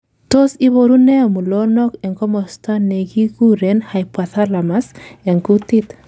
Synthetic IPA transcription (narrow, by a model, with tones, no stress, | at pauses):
to˦si˦βo˨ɾu˦nɛ˦a˨mu˨lo˦nɔ˦kɛ˨ŋkɔ˦mɔ˨sta˦ne˨ki˦ku˦ɾe˨nha˨jpwa˨ta˦la˨ma˦sɛ˨ŋku˦ti˦t̪